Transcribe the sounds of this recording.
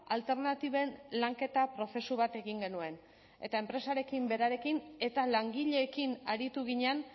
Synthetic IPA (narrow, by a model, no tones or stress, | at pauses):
alt̪e̞ɾnat̪iβe̞nlaŋke̞t̪apɾo̞θe̞suβat̪e̞ɣiŋɡe̞nue̞n | e̞̰t̪ae̞mpɾe̞saɾe̞kimbe̞ɾaɾe̞kine̞t̪alaŋɡiʎe̞ːkinaɾit̪uɣ̞iɲean